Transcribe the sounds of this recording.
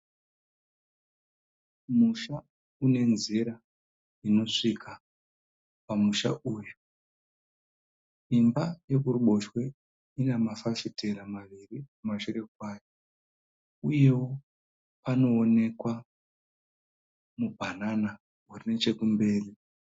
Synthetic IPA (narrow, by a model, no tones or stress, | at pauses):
muʃa | une̞nziɾa | ino̞ʂikʰa | pamuʃa̰ʔuːju | imbaje̞kuruɓo̞ʃwe̞ | inamafafite̞ɾamaʋirimumaʃure̞kwaːjo | uje̞wo̞ | pano̞ːne̞kwa | mubʱanana | urine̞t͡ʃe̞kumbe̞ːri